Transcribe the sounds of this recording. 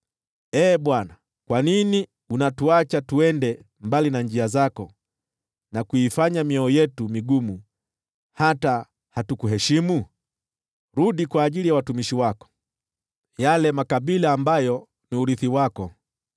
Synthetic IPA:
ɛːɓwana | kwanini | unatuat͡ʃatuɛndɛ | mbalinand͡ʒiazakɔ | nakuifaɲamiɔɔjɛtumiɡumu | hata | hatukuɦɛʃimu | ɾuɗikwaːʄilijawatumiʃiwakɔ̥ | jalɛmakaɓilaːmbajɔ | niuɾiθiwakɔ

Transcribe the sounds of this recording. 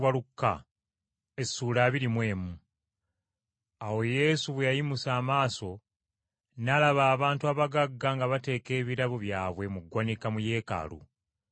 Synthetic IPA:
walukːa̰ | esuːlaːβiɾimwe̞ːmu | awo̞je̞ːsuβwejajimusaːmaːso̞ | nalaβaːβaːntuaβaɡaɡːaŋɡaβate̞ːke̞ːβiɾaβoβjaːβwe̞muɡwanikamuje̞ːka̰lṵ

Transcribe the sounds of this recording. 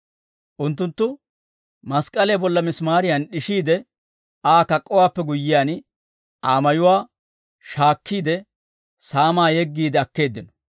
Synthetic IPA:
ʔʊnt̪ːʊnt̪ːʊ | mɐskʼːɐleːbɔlːɐmɪsmaːɾɪjɐnɗɪʃiːd̪ɛ | aːkɐkʼːɔwaːpːɛɡʊjːɪjaːn | ʔaːmɐjʊwaː | ʃaːkːiːd̪ɛ | saːmaːjɛɡːiːd̪ɛɐkːe̞ːd̪ːɪnɔ̥

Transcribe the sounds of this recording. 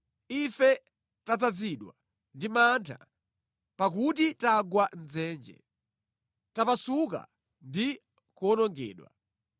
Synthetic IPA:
ifɛ | tad͡zaziɗwa̰ | ndimantʰa̰ | pakut̬itaɡwanzɛːnd͡ʒɛ̰ | tapasuka̰ | ndi | kɔnɔŋɡɛ̰ːɗwa̰

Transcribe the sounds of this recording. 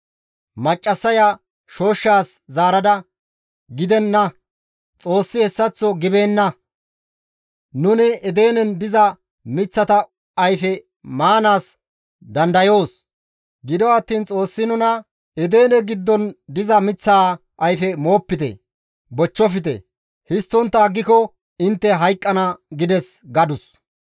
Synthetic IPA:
mɐt͡ʃʼːɐsɐja | ʃo̞ːʃːaːszaːɾɐd̪ɐ | ɡɪd̪ɛnːɐ | t͡sʼo̞ːsːɪɛsːɐt͡sːɔɡɪbeːnːɐ | nʊnɪɛd̪e̞ːnɛnd̪ɪzɐ | mɪt͡sːɐt̪ɐ | ɐjfɛ | maːnaːs | d̪ɐnd̪ɐjo̞ːs | ɡɪd̪ɔɐt̪ːiːnt͡sʼo̞ːsːɪnʊnɐ | ɛd̪e̞ːnɛɡɪd̪ːɔnd̪ɪzɐmɪt͡sːaː | ʔɐjfɛmo̞ːpːɪt̪ɛ̰ | bɔt͡ʃːɔfɪt̪ɛ̰ | hɪst̪ːɔnt̪ːɐːɡːɪkɔ | ɪnt̪ːɛɦɐjkʼːɐnɐɡɪd̪ɛs | ɡɐd̪ʊs

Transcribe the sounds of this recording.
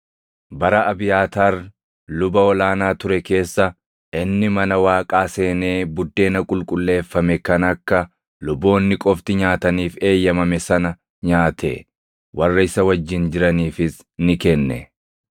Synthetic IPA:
bɐɾɐʔɐbɪjaːt̪aːr | lʊbɐɔlaːnaːt̪ʊɾɛke̞ːsːɐ | ʔɪnːɪmɐnɐwaːkʼaːse̞ːneːbʊd̪ːe̞ːnɐkʼʊlkʼʊlːe̞ːfːɐmɛkɐnɐkːɐ | lʊbːo̞ːnːɪkʼɔft̪ɪɲaːt̪ɐniːfe̞ːjːɐmɐmɛsɐnɐ | ɲaːt̪ʰɛ̰ | wʔɐrːɐɪsɐwɐd͡ʒːɪnd͡ʒɪɾɐniːfɪs | nɪkɛnːɛ̰

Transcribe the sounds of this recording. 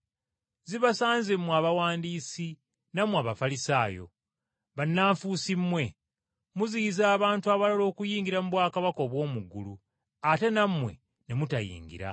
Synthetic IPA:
ziβasaːnzemːuaβawaːndiːsi | namwaβafalisaːjo̞̰ | βanːaːɱfusimːwe̞ | muzijizaːβaːntuaβalalo̞ːkujiːŋɡiɾamuβwaːkaβako̞ːβwo̞ːmuɡulu | ate̞namwe̞̰ | ne̞mutajḭːŋɡḭɾa̰

